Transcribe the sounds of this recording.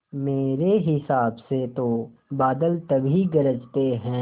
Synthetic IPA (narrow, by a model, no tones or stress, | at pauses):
meːɾeɦɪsaːbset̪obaːd̪əlt̪ɐbʱiɡɐɾəd͡ʒt̪eɦɛ̃ː